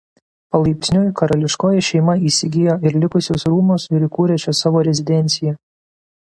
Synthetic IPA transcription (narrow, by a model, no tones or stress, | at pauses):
pɐlˠɐɪpʲtsʲnʲoːjkɐɾɐlʲɪʃkoːjɛʃʲɛɪmɐiːsʲɪɡʲɪjoːɪɾlʲɪkʊsʲoːsɾuːmoːsɪɾikuːɾʲɛt͡ʃʲɛsɑːʋoːɾʲɛzʲɪd̪ʲɛnʲt̪sʲɪjɛ